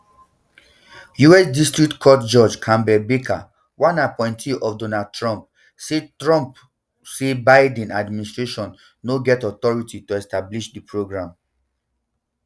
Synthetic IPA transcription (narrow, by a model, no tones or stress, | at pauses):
juɛsdistɹik̚tkʰɔtd͡ʒɔd͡ʒkʰãmbɛbekʰa̰ | wãnapɔ̃ɪ̃ntʰiʔɔfdonad̚tʰɹɔ̃mp̚ | setɹɔ̃mp | sebaɪdɛ̃nadministɹeʃɔ̃nː | oɡɛtɔtɔɹitituɛstabliʃdipʰɹoɡɹãm